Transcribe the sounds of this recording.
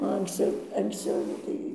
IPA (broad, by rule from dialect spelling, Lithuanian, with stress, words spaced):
oː ɐŋksʲˈt͡sʲɛʊ ɐŋksʲˈt͡sʲɛʊ jɛʊ ˈtɐɪ